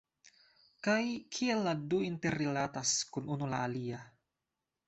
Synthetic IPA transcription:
kajkʰielːaduint̪erilat̪askunʔunula̰ːlia

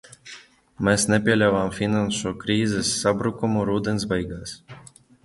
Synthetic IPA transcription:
mɛsnʲɛpʲiɛlʲavaːmfʲinanʃuːkɾiːzɛsːabɾukumuɾuːd̪ɛns̬bɛjɡaːs

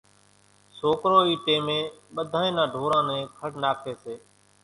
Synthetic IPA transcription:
soːkɾoːiːʈẽːmẽːɓəd̪ʱãːẽːnãːɖʱoːɾãːnẽːkʰəɽnaːkʰeːseː

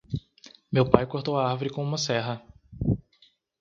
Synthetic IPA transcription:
mewpajkoɾt̪owaaɾvoɾɪkõũmɐsɛɦɐ

